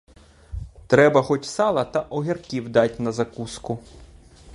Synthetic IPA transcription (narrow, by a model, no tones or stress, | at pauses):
t̪ɾɛbɐxɔt͡ʃʲsɑlˠɐt̪ɐʔɔɦʲirkʲiwd̪ɑtʲnɐzɐkuskʊ